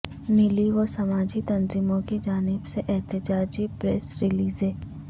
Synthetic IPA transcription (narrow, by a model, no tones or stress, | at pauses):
mɪliʋosɐmaːd͡ʒit̪ɐnziːmõkid͡ʒaːnɪbseʔɛɦt̪ɪd͡ʒaːd͡ʒipɾesɾɪliːzɦeː